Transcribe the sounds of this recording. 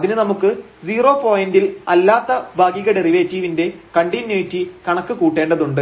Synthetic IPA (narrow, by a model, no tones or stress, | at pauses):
ɐðinɨnɐmukːɨ | d͡ʑiːro̞ːpo̞ːjindilɐlːaːt̪ːɐbʱaːɡiɣɐɽeriʋeːtːiːʋinde̞kɐɳɖinːeːtːikɐɳɐkːɨkuːʈːeːɳɖɐðuɳɖɨ